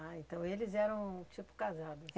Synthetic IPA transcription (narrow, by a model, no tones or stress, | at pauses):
aẽnt̪ɐ̃w̃elɪzɛɾɐ̃w̃t͡ʃipʊ̥kazad̪ʊ